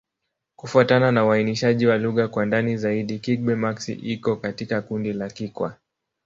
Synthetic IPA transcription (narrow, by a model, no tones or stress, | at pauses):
kufuatananauwainiʃaʄiwaluɣakwandanizaiɗikik̚ɓɛmaksḭʔikɔkatikakundilakikwa̰